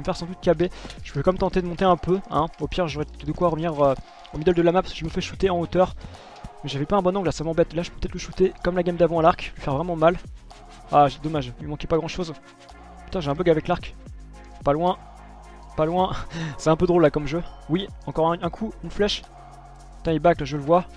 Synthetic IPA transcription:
məfɛʁsɑ̃d̪ut̪̚kʲabeʒ̥əpøvɛkmɛmt̪ɑ̃t̪ed̪əmɔ̃t̪eɛ̃pøɛ̃opiʁʒoʁɛt̪d̪əkwaʁəvniʁø | omid̪ɔld̪əlamapaʁskə̥ʒəməfɛʃut̪eɑ̃ot̪œʁ | mɛʒavɛpaɛ̃bɔ̃nɔ̃ɡlasamɑ̃bɛt̪laʒəpø̥pøt̪ɛt̪ʰləʃut̪ekɔmlaɡʲamd̪avɑ̃alaʁklifɛʁvʁɛmɑ̃mal | aʒet̪ɛd̪ɔmaʒimɑ̃kʲɛpaɡʁɑ̃ʃoz | pət̪ɛ̃tʒeɛ̃p̬øɡavɛklaʁk | palwɛ̃ | palwɛ̃sɛɛ̃pød̪ʁolːakɔmʒəwiɑ̃kɔʁɛ̃ɛ̃kʰuynflɛʃ | t̪ɛ̃ilbaklaʒələvwa

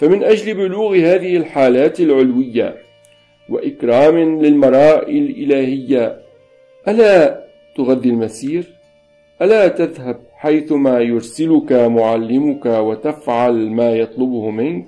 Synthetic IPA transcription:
famɪnʔad͡ʒlɪbʊluːɣhaːðɪhɪlħaːlaːt̪alʕʊlwɪjːa̰ | wa̰ʔɪkɾˤɑːmɪlɪlmɑɾˤɑːʔɪllʔɪlaːhɪjːa | ʔalaː | t̪ʊɣaðːɪlmasiːɾ | ʔalaːt̪aðhab̚ħajθʊmaːjʊɾsɪlʊkamʊʕalːɪmʊkawat̪afʕalmaːjɑt̪ˤlʊbʊhmɪnk̚

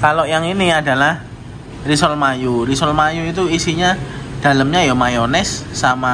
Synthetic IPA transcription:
kalojaŋiniada̤lah | risɔlmajuɾisɔlmajuit̪̬uisiɲa | d̥a̤ləmɲajamajonɛsːama

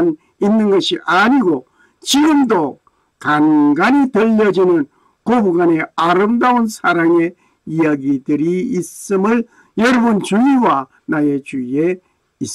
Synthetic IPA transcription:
n | inːɯŋɡɯɕiʔaniɡo | t͡ɕiɡɯmdɔ | kanɡanitɯlːʌd͡ʑinɯn | kobuɡaneaɾɯmdawunsaɾaŋe | ijaɡitɯɾiːsɯmɯl | jʌɾbunt͡ʃujiwa | najet͡ʃue | is

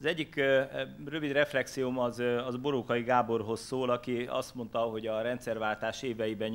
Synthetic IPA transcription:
zɛɟːik | rø̞vid̪rɛflɛksiomɒzɒzbo̞ɾokɒjiɡaːbo̞rɦo̞sːoːlɒkiɒ̰st̪mo̞nt̪ɒɦo̞ɟɒɾɛnt̪sɛrvaːlt̪aːʃeːvɛjibɛɲ

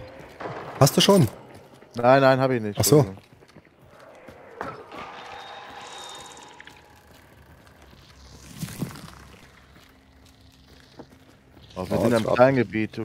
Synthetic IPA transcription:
hast̚d̥uːʃoːn | naɪnːaɪnhaːbɪçnɪçtʔaz̥oː | ʔɔvizɪnntamklaɪnɡəbiːt̚d̥u

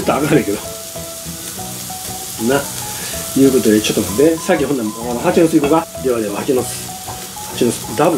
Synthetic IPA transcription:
t̪ːoaakanẽĩke̞d̪o | na | jɯ̟ːko̞t̪o̞d̪et͡ɕo̞t̪ːod̪esak̬ʲːiɦond̪amanoɦakʲinosɨikoɡa | iβaɾeɯhakʲinot͡sɨ̥ | hat͡ɕinosɨ̥d̪abɯ̟

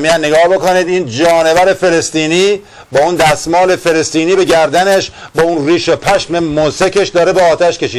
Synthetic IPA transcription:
mijænːeɡɒːhbe̞koniːd̪iːnd͡ʒɒːne̞væɾe̞fe̞le̞st̪iːniː | bɒːund̪æsmɒːle̞fe̞le̞st̪iːniːbe̞ɟæɾd̪æne̞ʃbɒːunriːʃopʰæʃme̞mosekʰeʃd̪ɒːɾebeɒːt̪ʰæʃke̞ʃiː

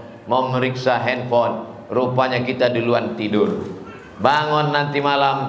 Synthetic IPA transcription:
maməɾiksaɦɛnfɔn | rupaɲakit̪adiluant̪idʊr | baŋɔnːant̪imalam

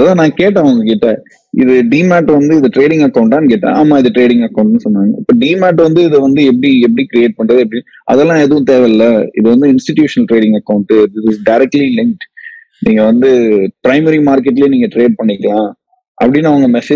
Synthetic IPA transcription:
ɐðãːnãːkeːʈ̬ːãːʋɐŋɡɐkeːʈːẽː | ɪ̰ðɯɖiːmaːʈːʋɐnd̪ɯɪðɐʈɾeːɽɪ̃ŋɡɐkːɐʊ̃ɳʈːaːnɯkeːʈːã̰ːʔaːmːaːɪðɯʈɾeːɽɪ̃ŋɡɐkːɐʊ̃ɳʈnɯsɔnːaːŋɡɐɪpːoːɖiːmaːʈ̬ːʋɐnd̪ɯɪðɯʋɐnd̪ɯɛp̬ːɐɽiɛp̬ːɐɽikɪɾɪeːʈ̚pɐɳɖɾɐðɯɛp̬ːɐɽi | ʔɐ̰ðɛlːãːɛðɯʋʊ̃t̪eːʋɛɪlːɐɪ̰ðɯʋɐnd̪ɯɪnsʈɪʈjuːʂɐnɐlʈɾeːɽɪ̃ŋɡɐkːɐʊ̃ɳʈːɯd̪ɪsɪsɖɐɪɾɛk̚ʈlilɪŋk̚ʈ | niːŋɡɐʋɐnd̪ɯpɾɐɪmɐɾimaːɾkɛʈːɪleːniːŋɡɐʈɾeːɖ̚pɐɳːɪkːɐlãː | ʔɐ̰pːɐɽɪnːɐʋɐŋɡɐmɛseː

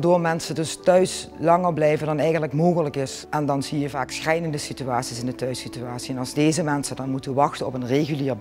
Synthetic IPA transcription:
doːɹmɛnsədɵstœɥslɑŋəɹblɛjvəndɑnɛjɣəntləkmoːɣələkɪs | ɛndɑnzijəvaːksxrɛjnəndəsityaːtsisɪndətœɥsityaːtsiɛnɑlˠzdejzəmɛnsədɑnmutəʋəʋɑxtənɔpənreɣyliːɹ

